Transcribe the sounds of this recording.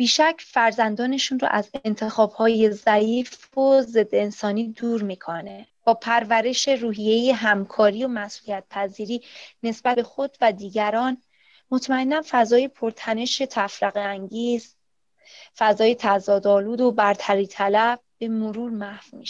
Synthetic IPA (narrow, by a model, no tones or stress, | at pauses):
b̥iːʃæcʰfæɾzænd̪ɒːne̞ʃunro̰ʔæzeent̪ʰe̞xɒːb̥hɒːje̞zæiːf | oze̞d̪ːensɒːnid̪uːɾmiːkʰoneb̥ɒːpʰæɾvæɾe̞ʃe̞ruːɦije̞jeɦæmkʰɒːɾijomæsʔuːlijæt̪̚pʰæziːɾiːne̞sbæbe̞xo̞d̪̥væd̪iːɟæɾɒːn | mo̞t̪ʰmæenːænfæzɒːje̞pʰo̞ɾt̪ʰæne̞ʃe̞t̪ʰæfɾæɣeæŋɟiːz | fæzɒːje̞t̪ʰæzɒːd̪ɒːluːd̪o̞bæɾt̪ʰæɾiːt̪ʰælæb̚b̥e̞moɾuːɾmæhfmiʃ